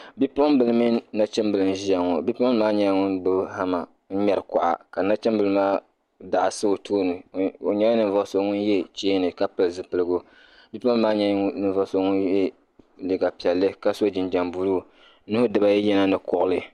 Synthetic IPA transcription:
bi˦po˦m˦bɨ˦lɨ˦mɨ˦na˦t͡ʃɨ˦mbɨ˨lɨ˨n˦ʒi˦ja˨ŋo˨bi˦pɔ˦m˦maː˦ɲɛ˦˨ŋʊ˦nbɨ˦ha˦ma˨ | n̩˦ɲɛ˦ɾɨ˨ka̰˨ʔa̰˨ka˨na˦t͡ʃɛ˦mbɨ˨lɨ˦maː˦ | da˨ʔsɨ˦˨tʰoː˦nɨ˨o˨ɲɛ˦a˦nɨ˨n˨vɔ˦so˨ŋʊ˦n˦jɛ˦t͡ʃeː˦nɨ˨ka˦pɨ˨lzɨ˨pɨ˨lɨ˦ɡo˦ | bi˦po˦maː˦ɲɛ˦nɨ˨ɱ˦vɔ˦so˨ŋʊ˦njɛ˦ | li˨ɡa˨pi˨ɛ˨lːɨ˦ka˦so˦d͡ʒɪ˨nd͡ʒa˨mbu˦luː˦˨˦ | nɨ˦hʊ˦dɨ˨ba˦jɛ˦jɛ˦na˦nɨ˨kʊ˨ʔʊ˦lɨ˦

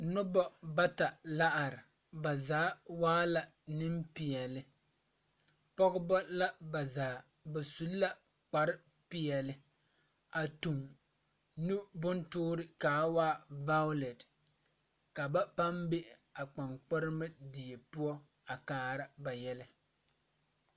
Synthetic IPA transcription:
nʊ˦bɔ˦ba˦ta˨la˦ʔa˨ɾɪ˨ | ba˨zaː˨˦waː˦la˨ | nɪ˦mpɪ˨jɛ˨lɪ˨ | pɔ˦ɣɪ˦bɔ˦la˦ba˨zaː˨˦ | ba˨su˨lːa˦ | k͡pa˨ɾɪ˦ | pɪ˦jɛ˨lɪ˦ | a˨tu˨ŋ | nu˦bʊ˦ntʊː˦ɾɪ˦kaː˨˦waː˦va˦ʊ˦le˨d | ka˨ba˦pa˦mbe˦ | a˨k͡pa˨ŋk͡pɪ˦ɾɪ˦mɨ˦di˨e˨pʊ˦ɔ˦ | a˨kaː˨˦ɾa˦ba˨jɛ˦lɪ˦

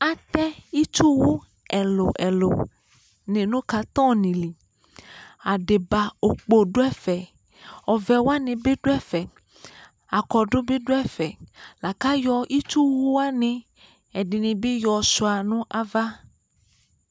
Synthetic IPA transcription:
a˨t̪ɛ˦i˦t͡ʃu˦wu˦ | ɛ˨lo˨ʔɛ˨lo̰˨ | nẽ˨nũ˦ka˨˦t̪ɔ̃˦nĩ˨li˨ | a˨ɖe˨ba˨o˨k͡po˨ɖo˦ɛ˦fɛ˨ | ɔ˨vɛ˨wa˦nĩ˨be˦ɖo˦ɛ˦fɛ˨ | a˨kɔ˨ɖo˦be˦ɖo˦ɛ˦˨fɛ˨la˨ka˦jɔ˧ʔi˦t͡ʃu˦wu˦wa˦nĩ˧ | ɛ˨di˨nĩ˨bi˦jɔ˨su˨a˨nũ˦ʔa˦va˦

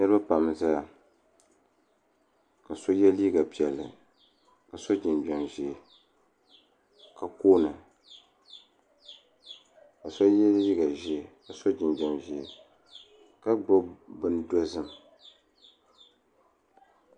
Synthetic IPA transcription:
nɨ˦ɾɨ˦ba˦pa˨m˨za˦a˨ | ka˨so˦jɛ˦liː˦ɡa˨pi˨ɛ˨lːɨ˨ | ka˨so˦d͡ʒɪ˨nba˨ŋʒi˨ | ka˨koː˦nɨ˨ | ka˨so˦jɛ˦li˦ɡa˨ʒɛ˦˨ka˨so˦d͡ʒɪ˨nbɛ˨ŋʒɛ˨ | ka˦ɡ͡bɔ˦bɨ˦n˦do˦zɨ˦m˨

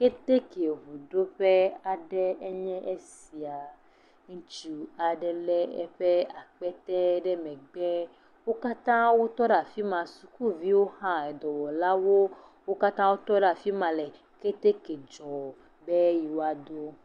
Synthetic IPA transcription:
ke˦t̪e˦ke˨ɦu˨ɖo˦ɸe˦a˨ɖɛ˦ɛ˦ɲɛ̃˦ʔe˦si˨a˨ | ŋ̩˦t͡ʃi˦˨a˨ɖɛ˨lɛ˦ɛ̰˦ɸɛ˦a˨k͡pɛ˦t̪ɛ˦ɖɛ˦mɛ̃˨ɡ͡bɛ˦ | wo˦ka˦t̪ã˦wo˦t̪ɔ˦ɖa˨fi˦mã˨su˨ku˦vi˦wo˦hã˦ɛ˨d̪ɔ˨wɔ˨la˦wo˦ | wo˦ka˦t̪ã˦wo˦t̪ɔ˦ɖa˨fi˦mã˨lɛ˨ | ke˦t̪e˦ke˨d͡ʒɔ˨ | be˦ji˨wo˦a˨d̪o˦

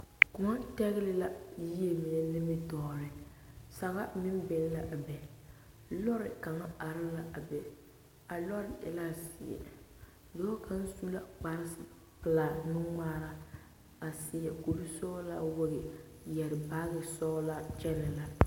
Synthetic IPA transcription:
kʊ˨ŋa˦tɛ˦ɣɪ˦lɪ˦la˦ji˦e˨mi˨nɛ˦nɪ˦mɪ˦tɔː˨ɾɨ˨ | sa˨ɣa˦mɪ˦m˦bɛ˨n˦la˨ʔa˨bɛ˨ | lɔ˦ɾɪ˨ka˨ŋa˦a˨ɾɪ˦la˨ʔa˨bɛ˨ | a˨lɔ˦ɾɪ˨ʔɛ̰˨la˦sɪ˨ɛ̰˨ | do˨˦ka˦n̩˦su˦la˦k͡pa˦ɾɪ˦sɪ˨ | pɨ˨la˨nɨ˦ŋaː˦ɾa˦ | a˨sɪ˨jɛ˨ko˨bi˦sɔː˦la˦wo˦ɡɪ˨ | jɛ˨ɾɪ˨baː˦ɣɪ˨sɔː˦la˦t͡ʃɛ˦nɪ˨la˨

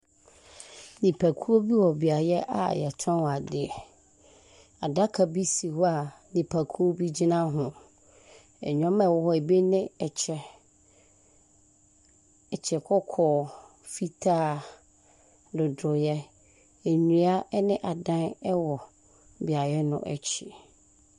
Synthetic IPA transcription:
nĩ˨pʰæ˨kʰu˦o˦bi˦wɔ˨bi˨a˨jɛ˦ʔa̰˨jɛ˨tʰã˦wa˨dɪ˨ɛ˨ | a˨da˦kʰa˨bi˦si˨hɔ˦a˨ | nĩ˨pʰa˨kʰu˦o˦bi˦d͡ʑi˦nã˦ɦʊ̃˨ | ɛ̰˨ɲᶣɔ̃˦mɛ˦˨wɔ˦˨hɔ˦˨e˨be˦nɪ̃˦ɛ˨t͡ɕʰɛ˨ | ɛ˨t͡ɕʰɛ˨kʰɔ˦kʰɔː˨ | fi˦tʰaː˦ | dʊ˨dʊ˨jɛ˦ | ɛ˨ɲũ˨a˦ʔɛ˦nɪ̃˦ʔa˨dã˦nɛ˦wɔ˨ | bi˨a˨jɛ˦nʊ̰̃˦ʔɛ̰˨t͡ɕʰɪ˨

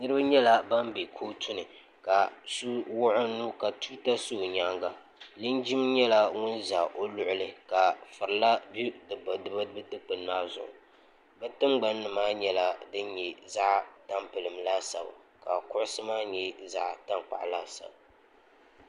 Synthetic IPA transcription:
nɨ˦ɾɨ˦ba˦ɲɛ˦la˦ba˦mbe˨kʰoː˦tʰʊ˦nɨ˨ | ka˨su˦wʊ˦ʔʊ˦nːu˦ka˨tu˦ta˦soː˦˨ɲa˦ŋɡa˨ | lɨ˦nd͡ʒi˦m˦ɲɛ˦la˦ŋʊ˦nza˨ʔo˦lʊ˨ʔʊ˦lɨ˨ka˨fɨ˨ɾla˦bu˦dɨ˨ba˨dɨ˨ba˦bɨ˦tɨ˦k͡pɨ˨nmaː˦zʊ̰˨ŋ̰˨ | bɛ˦tɨ˦ŋ͡mɡ͡ba˦nːɨ˨maː˦ɲɛ˦la˦dɨ˦nɲɛ˨za˦ʔta˦mpɨ˨lɨ˨mlaː˦sa̰˨ba̰˨ | ka˨kʊ˦ʔʊ˦sɨ˦maː˦ɲɛ˨za˦ʔta˦ŋk͡pa̰˨ʔlaː˦sa̰˨ba˨

